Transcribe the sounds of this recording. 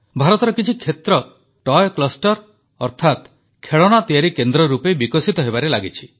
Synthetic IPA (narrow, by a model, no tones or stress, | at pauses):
bʱaɾɔt̪ɔɾɔkit͡ʃʰikʰːet̪ɾɔ | ʈɔjklɔsʈɔɾ | ɔɾt̪ʰat̪ | kʰeɭɔɽ̃at̪iaɾikend̪ɾɔɾupebikɔsit̪ɔɦebaɾelaɡit͡ʃʰi̥